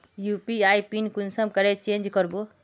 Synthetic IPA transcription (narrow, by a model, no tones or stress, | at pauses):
jupiajpinkunsəmkəɾet͡ʃend͡ʒkəɾbo